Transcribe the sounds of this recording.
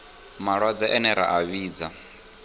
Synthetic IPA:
maɺwad͡zaʔɛnɛɾa̰ʔaβiːd͡za

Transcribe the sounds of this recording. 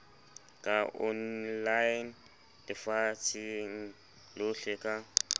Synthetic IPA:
kʼaʔɔnlan | dɪfat͡sʰʼiŋ̩ | lʊɬɪkʼa

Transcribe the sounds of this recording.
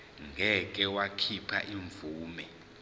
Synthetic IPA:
ŋɡʱɛk̬ʼɛwakʰipʰa̰ʔiɱvuːmɛ

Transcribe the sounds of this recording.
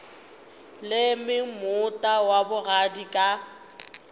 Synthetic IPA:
lɪmɪmʊtʼawabʊɣadikʼa

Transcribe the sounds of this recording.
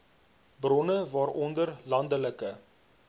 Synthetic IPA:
brɔnəvɑːɾʔɔndərlɐndələkə

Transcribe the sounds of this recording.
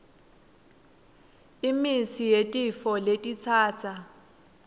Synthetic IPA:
imisʰijetʼifɔletʼit͡sʰaːt͡sʰʼa

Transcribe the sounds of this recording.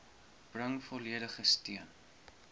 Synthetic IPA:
b̥rəŋfɔliədəχəstiən

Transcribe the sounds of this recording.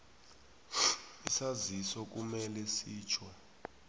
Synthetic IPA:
isazisɔk̬ʼumɛlɛsiːt͡ʃʰɔ

